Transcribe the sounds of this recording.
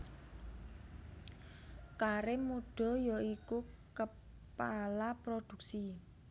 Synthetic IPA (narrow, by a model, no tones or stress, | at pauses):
kaɾemuɖ̥ɔ̤jɔikukə | palapɾod̪̥ṳk̚si